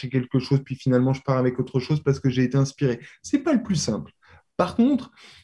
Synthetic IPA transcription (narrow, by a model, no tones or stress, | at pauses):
ɛkʲɛlkəʃozpɥifinalmɑ̃ʒəpaʁavɛkot̪χəʃozpaʁsə̥kəʒeːt̪eɛ̃spiʁesɛpaləplysɛ̃pl | paʁkɔ̃t̪χ